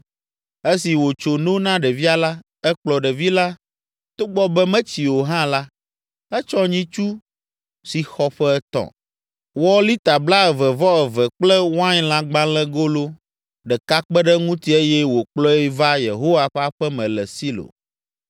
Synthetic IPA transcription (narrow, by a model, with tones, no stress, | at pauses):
e˦si˨wo˨t͡ʃo˨nõ˦nã˦ɖɛ˨vi˦a˦la˦ | ɛ˦k͡plɔ˨ɖɛ˨vi˦la˦ | t̪o˦ɡ͡bɔ˦bɛ˦mɛ̃˦t͡ɕi˨wo˨ɦã˦la˦ | ɛ˦t͡ʃɔ̃˦ɲĩ˦t͡ʃu˦ | si˨xɔ˦ɸɛ˦ɛ˦t̪ɔ̰̃˨ | wɔ˦li˦t̪a˨bla˦ɛ˨vɛ˨vɔ˦ɛ˨vɛ˨k͡plɛ˦wã˦ɲ˦lã˦ɡ͡bã˦lɛ˦ɡo˦lo˦ | ɖɛ˨ka˦k͡pɛ˦ɖɛ˦ŋũ˦t̪i˦e˦jɛ˦wo˨k͡plɔ˦ɛ˦va˦je˨ɦo˦wa˨ɸɛ˦a˦ɸɛ˦mɛ̃˨lɛ˨si˦lo̰˨n